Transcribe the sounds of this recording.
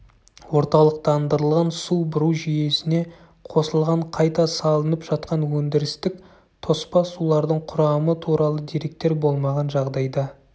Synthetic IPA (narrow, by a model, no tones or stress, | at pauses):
wo̞ɾt̪ɑlˠəq̚t̪ɑnd̪əɾəlˠʁɑnsubʊɾuʒije̞sɪne̞ | qʰo̞səlˠʁɑɴqʰɑjt̪ɑsɑlˠənəpʒ̥ɑt̪qɑnwɵnd̪ɪɾɪst̪ɪk | t̪ʰo̞spɑsulˠɑɾd̪əɴqʰʊɾɑmət̪ʰuɾɑlˠəd̪iɾe̞k̚t̪e̞ɾbo̞lˠmɑʁɑnʒɑʁd̪ɑjd̪ɑ